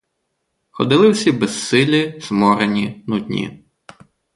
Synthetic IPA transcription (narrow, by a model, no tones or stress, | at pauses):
xɔ̰d̪ɪlˠɪwsʲibɛsːɪlʲɪz̥mɔɾenʲinudʲnʲḭ